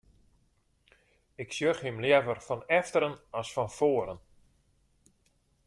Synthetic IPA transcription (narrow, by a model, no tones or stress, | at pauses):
ɪksjøxhimljɛvərfɔnɛftəɾənɔsfɔnfoəɾən